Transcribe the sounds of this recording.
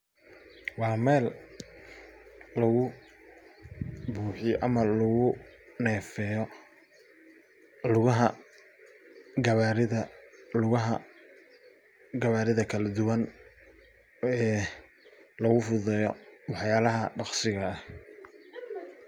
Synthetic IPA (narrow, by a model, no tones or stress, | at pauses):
wɑːmɛːl | ɐɣʊ | buːħɪjʔɐmɐlʊɣʊnɛːfɛjɔ | lʊɣɐɦɐ | ɡɐβaɾɪðɐlʊɣɐɦɐ | ɡɐβaːɾɪðɐkʰɐlɐd̪ʊwɐn | ɛː | lɐɣʊfʊðɛjɔwɑħjaːlɐɦɐɖɑqsɪɣɐːh